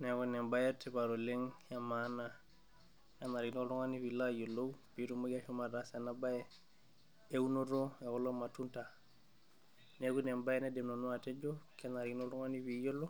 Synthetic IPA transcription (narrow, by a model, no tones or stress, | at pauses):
neɡunembajetebaɾoleŋjamana | janaɾinoɾuŋanibilajolopiɾumuɡaʃumaɾasanabaje | eunoɾoekolomatunta | neɡunembajɛnedemnonuated͡ʒokenaɾinoɾuŋaniβijolo